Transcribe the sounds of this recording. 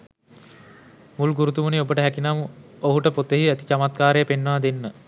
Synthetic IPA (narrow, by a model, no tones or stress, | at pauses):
mulɡuɾut̪umuniobəʈəɦækinamuoɦuʈəpot̪ːeɦiæt̪i̥t͡ʃamat̪̚kaːɾejəpenːəʋad̪enːə